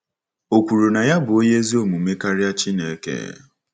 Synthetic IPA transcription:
o˨kʷu˨ɾu˨na˨ja˦bʊ˨o˦ɲe˦zi˦o˦mu˨me˦ka˦ɾja˦t͡ʃi˦ne˨˦kḛ˦˨

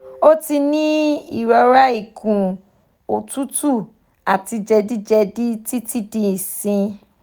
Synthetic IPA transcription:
o˦ti˧nĩ˦ḭ˦˨ɾɔ˧ɾa˦i˦˨kũ˨ | o˨tũ˦tu˦˨ | a˨ti˧d͡ʒɛ˧di˦d͡ʒɛ˧di˦ti˦ti˦dĩ˦i˦˨sĩ˧

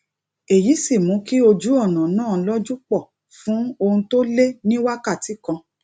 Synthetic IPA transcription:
e˨ji˨˦si˦˨mũ˨˦ki˦o˧d͡ʒu˦ɔ˦˨nã˨˦nãː˦˨˧lɔ˦d͡ʒu˦k͡pɔ˦˨ | fũ˨˦o˧hũ˧to˦le˦nĩ˦wa˦ka˦˨ti˨˦kã˧

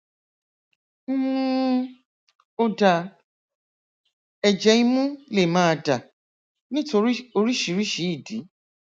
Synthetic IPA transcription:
m̩˦ | o˧da˧ | ɛ˨d͡ʒɛ˧i˧mũ˦le˦˨mãː˦˧da˨ | nĩ˦to˧˦o˧ɾi˦ʃi˨˦ɾi˦ʃi˨˦i˦˨di˨˦

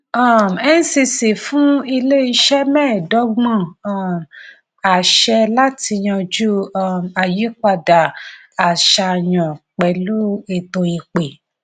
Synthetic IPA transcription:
a˦˨m˨ɛ˦n̩˦si˧si˨fũ˦i˧le˦i˧ʃɛ˦mɛ̃ː˦˨dɔ˨˦ɡ͡bɔ̃˦˨a˦˨m | a˨ʃɛ˧la˦ti˧j̃ã˧d͡ʒu˦˨ma˨ji˨˦k͡pa˧˨da˨ | a˨ʃa˧j̃ã˨k͡pɛ˨˦lu˦e˦˨tõ˧i˧k͡pe˨

